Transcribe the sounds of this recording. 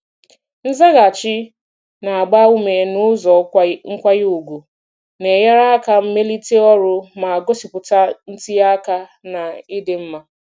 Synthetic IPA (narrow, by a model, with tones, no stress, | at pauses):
n̩˦za˦ɣa˨t͡ʃɪ˦ | na˨a˨ɡ͡ba˦u˦me˨nʊ˦zɔ˨ŋ̩˦kʷa˦ju˨ɡʷu˨ | ne˨ja˦ɾa˦a˦ka˦m̩˦me˦li˦te˦ɔ˦ɾʊ˦ma˨a˨ɡo˦si˨pʊ˨ta˦n̩˦ti˦ja˦ka˦na˨i˦de˨m̩˦ma˦